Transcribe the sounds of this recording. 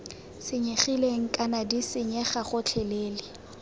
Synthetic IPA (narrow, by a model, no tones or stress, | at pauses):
sɪɲeχileŋ̩kʼanadisɪɲɛχaχʊt͡ɬʰɛleːlɪ